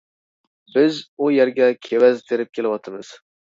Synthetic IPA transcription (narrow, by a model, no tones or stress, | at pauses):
bɪzujæɾɡʲɛkʲʰewɛzt̪ʰeɾɪp̚kʲʰelɪwɒt̪ʰɨmɨz̥